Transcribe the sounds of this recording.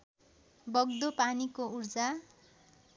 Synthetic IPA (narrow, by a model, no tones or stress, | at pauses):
bʌɡ̚d̪opanikourd͡za